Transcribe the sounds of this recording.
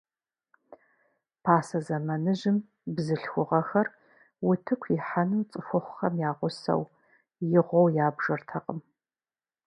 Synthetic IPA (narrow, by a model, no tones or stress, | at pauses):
pʰaːsɐzɐmɐnɨʒɪm | bzɨɬxʷʊʁɐxɐr | wʊtʰɨkʷʰɪħanɨmt͡sʼɨfɨχʷʊxɐmjaːʁʷʊsɐ̰w | jɪʁʷɔwjaːbʒɐrtʰɐqʼəm